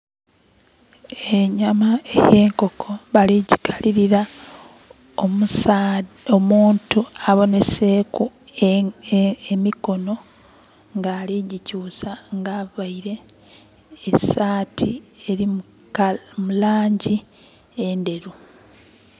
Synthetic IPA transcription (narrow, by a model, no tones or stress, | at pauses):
eɲamaeje̞ːŋko̞kʰo̞βaliɟikʰaliɾiɾa | omu | omuːntuaβo̞ne̞se̞ːku | emiko̞no̞ | ŋɡaːliɟicuːsaŋɡaβaiɾe̞ː | saːtʰieɾimu | mulaːɲɟi | ende̞ɾu